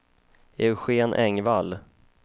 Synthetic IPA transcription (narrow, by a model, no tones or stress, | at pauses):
ɛɧeːnʔɛŋval